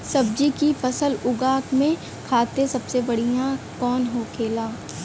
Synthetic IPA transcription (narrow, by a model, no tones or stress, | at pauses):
sɐb̚d͡ʒikifɐsəlʊɡaːkmẽ | kʰaːt̪ẽsɐbsebɐɽ̤ijãkɔːnɦokʰeːlaː